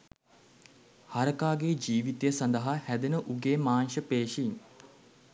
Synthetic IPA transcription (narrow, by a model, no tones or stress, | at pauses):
haɾəkaːɡeːd͡ʒiːʋit̪ejəsɐnd̪əɦahæd̪enəʔuɡeːmaːnʃəpeːʃin